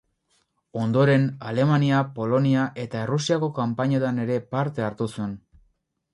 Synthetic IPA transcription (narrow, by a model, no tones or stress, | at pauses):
o̞nd̪o̞ɾe̞nale̞maniapo̞lo̞niaʔe̞t̪aerusiako̞kampaɲe̞t̪ane̞ɾe̞paɾt̪e̞aɾt̪usue̞n